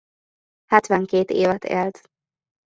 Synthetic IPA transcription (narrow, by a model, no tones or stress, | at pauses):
hɛt̪ʋɛŋkeːt̪eːvɛt̪ʰḛːlt̪